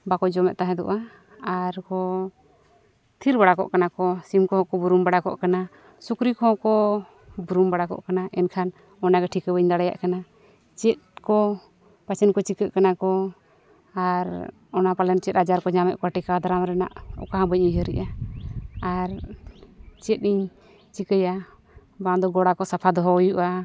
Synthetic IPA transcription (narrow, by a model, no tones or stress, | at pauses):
bakɔd͡ʒɔmɛ̰t̪ʔ̪̚t̪aɦɛ̃d̪ɔ̰ʔa | aɾkɔ | t̪ʰiɾbaɽakɔ̰ʔkanakɔsimkɔɦɔ̃kɔbuɾumbaɽakɔ̰ʔkana | sukɾikɔɔ̃kɔ | buɾumbaɽakɔ̰ʔkanaʔɛnkʰan | ɔnaɡɛʈʰikəbəɲd̪aɽaja̰ʔkana | t͡ʃɛt̪̚kɔ | pat͡ʃʰɛnkɔt͡ʃikəʔkanakɔ | aɾ | ɔnapalɛnt͡ʃɛt̪̚ad͡ʒaɾkɔd͡ʒamɛʔkaʈikad̪aɾamɾɛna̰ʔɔ̰kaɦãbəc̚iɦəɾɛ̰ʔa | aɾ | t͡ʃɛt̪̚ˀiɲ | t͡ʃikəja | bãd̪ɔɡɔɽakɔsapʰad̪ɔɦɔɔjuʔa